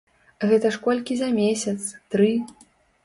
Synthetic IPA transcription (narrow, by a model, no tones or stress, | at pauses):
ɣɛt̪ɐʂkɔlʲkʲizɐmʲesʲɐt̪st̪ɾɨ